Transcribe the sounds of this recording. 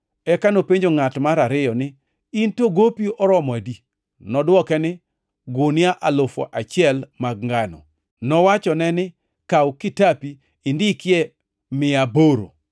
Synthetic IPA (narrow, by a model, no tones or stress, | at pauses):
ɛkanopeɲd͡ʒoŋatmaɾaɾɪjɔnɪ | intoɡopiɔɾɔmɔadi | nɔdwɔkɛnɪ | ɡʊnɪaʔalofɔ̰ʔat͡ʃɪɛlmaɡ̚ŋɡanɔ̰ | nɔwat͡ʃɔnɛnɪ | kawkɪtapiː | ndɪkɪɛ | mɪaboɾo̰